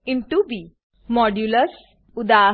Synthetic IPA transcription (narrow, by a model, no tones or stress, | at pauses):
inʈubi | mɔɖjuləs | ud̪aː